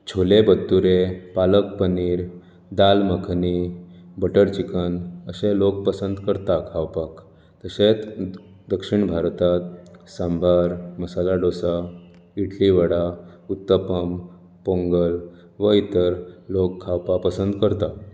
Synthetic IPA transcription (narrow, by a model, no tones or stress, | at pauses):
t͡ɕʰolebət̪ːuɾepalək̚pəniːɾ | d̪alməkʰnibəʈəɾt͡ɕikənəsẽlok̚pəsənd̪kəɾt̪akʰawpak | t̪əset͡s | d̪əkʂiɳbʱaɾt̪at̪̚sãmbʱaɾməsalaɖosa | iʈʰliʋəɽaut̪ːəpəm | poŋɡəl | ʋəit̪əɾlokʰːawpapəsənd̪kəɾt̪a